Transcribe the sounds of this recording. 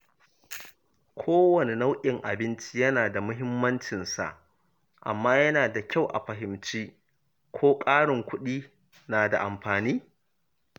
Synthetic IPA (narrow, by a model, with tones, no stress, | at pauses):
kʷʰoː˦wɐ˨ne˨na˦wʔʲʼɪ˨ŋʔa˨bɪ˦nt͡ʃi˦jɐ˦naː˨da˨mʊ˦ɦɪ˦mːɐ˦nt͡ʃɪ˨nsa̰˨ʔ | ʔa̰˨mːaː˦jɐ˦naː˨da˨kʲʰa˦˨wʔa̰˨ɸɐ˨ɦɪ˨mt͡ʃiː˦ | kʷʰoː˦kʼaː˦ɽɪ˨ŋkʷʊ˦ɗiː˦ | naː˨da̰˨ʔa˨mɸaː˨niː˦